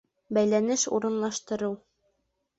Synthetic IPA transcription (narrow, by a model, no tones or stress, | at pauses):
bæjlænɘʃṵɾɤ̆nlˠɑʃt̪ɤ̆ɾɤw